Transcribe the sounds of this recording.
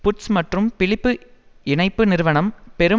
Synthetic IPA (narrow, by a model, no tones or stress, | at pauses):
pʊʈsmɐʈrɯmpɪɭɪpːɯ | ɪɳɐɪpːɯnɪɾɯʋɐɳɐmpɛɾɯ